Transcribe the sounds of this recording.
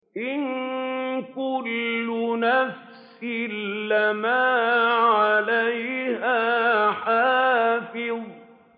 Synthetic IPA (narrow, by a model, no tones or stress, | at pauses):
ʔɪn | kʊlːʊnaf | sɪlːamaːʕalajhaːħaːfɪð